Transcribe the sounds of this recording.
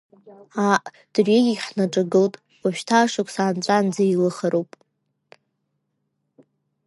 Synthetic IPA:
aʔ | d̥rʷeɡʲiħnaʈ͡ʂʼaɡɨltʼ | waʃᶣtʰaːʂakʷʰʼsaːnt͡ɕʷʼand͡zailɨχaɾowpʼ

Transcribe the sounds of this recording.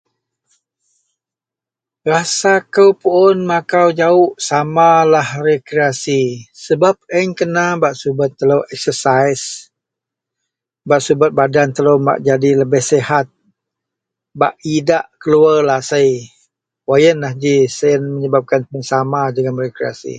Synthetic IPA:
rasakəwpuʊnmakawd͡ʒaʊʔsamalahrekɾeasisəbap̚əɲkənabaʔsubət̪ːələwɛk̚səsajs | baʔsubət̪̚badant̪ələma̰ʔd͡ʒadiləbɪhsehat̪̚ | ba̰ʔidaʔkəluarlahsəj | wajənlahd͡ʒisəjənməɲəbap̚kanpəənsamadəŋamrekɾea̰sḭ

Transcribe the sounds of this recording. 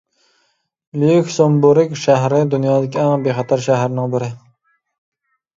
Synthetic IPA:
lyjykʲsombuɾɪkʲʃæɦɾɪd̪unjɑːd̪ɪkʲʰɛŋbeχɑt̪ʰɑɾʃæɦɾnɪŋbɪɾɪ

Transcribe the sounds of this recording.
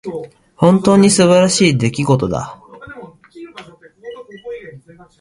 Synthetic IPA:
hõ̞nt̪o̞ːɲ̟isɨβaɾaɕiːd̪e̞kʲiɡo̞t̪o̞d̪a̰

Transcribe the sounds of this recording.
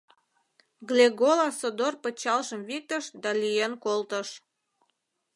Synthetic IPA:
ɡlʲeɡolɑsod̪orpət͡ɕɑlʃəmvik̚t̪əʃd̪ɑlijenkolt̪əʃ

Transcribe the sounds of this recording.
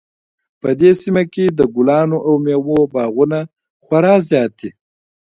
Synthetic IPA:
pəd̪esimaked̪əɡʊlɑːnoʔawmjawobɑːɣuna | xwaɾɑzjɑt̪i

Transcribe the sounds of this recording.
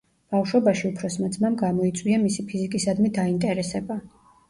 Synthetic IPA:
b̥afʃwɛbaʃiupʰɾɔsmad̪zmamɡamɔit̪sʼwiamisipʰizikʼisad̪mid̪aint̪ʼɛɾɛsɛba

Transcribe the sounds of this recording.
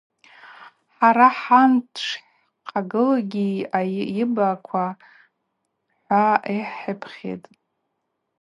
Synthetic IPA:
ħaɾaħantʰʂħ | qʼaɡɨlaɡʲiaɪbakʷʰa | ħʷaiħɪpʰχʲḛtʼ

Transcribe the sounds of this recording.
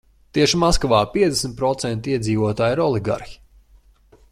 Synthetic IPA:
t̪iɛʃimaskɔvaːpiɛd̪esmʲt̪̚pɾɔt̪sɛnt̪iɛd̪ziːvuɔt̪aːjiɾɔlˠiɡa̰ɾxi̥

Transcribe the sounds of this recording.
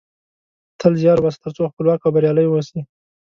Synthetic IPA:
t̪ʰəlzjɑɾwast̪əɾt͡soxpəlwɑkxabəɾjɑləjwosi

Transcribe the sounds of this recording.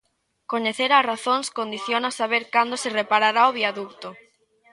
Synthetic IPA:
koɲeθeɾaraθõŋskond̪iθjonasaβeɾkand̪osɪrepaɾaɾaoβiaðukt̪o

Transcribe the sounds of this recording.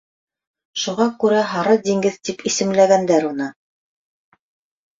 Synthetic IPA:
ʃuʁɑkʉɾæɦɑɾɤd̪iŋɡɘðt̪ipisɘ̆mlæɡænd̪æɾunɤ

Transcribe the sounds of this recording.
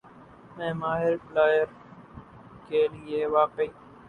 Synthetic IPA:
mẽːmaːɦɪɾplaːjəɾ | keːlɪeːʋaːpəiː

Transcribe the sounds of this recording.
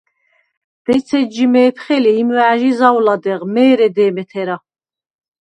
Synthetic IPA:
d̪̥ɛt͡s̪ʰɛd͡ʒimɛːpʰχɛliːmwɛʕaʒizawlad̪ɛʁmɛːɾɛd̪ɛːmɛt̪ʰɛɾa

